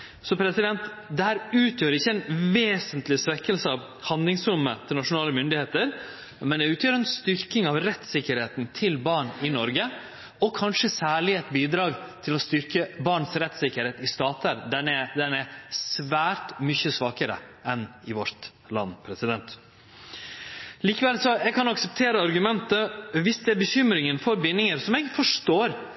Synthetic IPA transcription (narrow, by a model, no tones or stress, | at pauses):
sɔpʰɾɛsɪd̪ɛnt̪ | d̪ɛhæːɾʉːt̪ʰjøːɾɪçːəɛnʋeːsənt̪lɪsʋɛkːəlsəɑʋ | hɑnd̪lɪŋsɾʊmːət̪ʰɪlnɑʂʊnɑːləmʏnd̪ɪheːt̪əɾ | mɛnd̪ɛʉːt̪jøːɾɛnst̪ʏɾkɪŋɑʋɾɛt̪sɪkːəɾheːt̪nt̪ʰɪlbɑːɳɪnɔɾɡə | ɔkʰɑnʂəsæːɭɪɛt̪biːd̪ɾɑːɡ | t̪ʰɪlɔst̪ʏɾkəbɑɳsɾɛt̪sɪkːəɾheːt̪ɪst̪ɑːt̪ʰəɾd̪ɛnɛd̪ɛnæsʋæːɾtmʏçəsʋɑːkəɾə̰ʔɛnɪʋɔɾt̪ | lɑ̰nːpʰɾɛsɪd̪ɛnt̪ | liːkəʋɛlsɔɛɡkʰɑnɑksɛp̚t̪ʰeːɾəɑɾɡʉmɛnt̪əʋɪsd̪ɛæɾbəçʏmɾɪŋənfɔɾbɪnːɪŋəɾsɔmɛɡfɔʂt̪oːɾ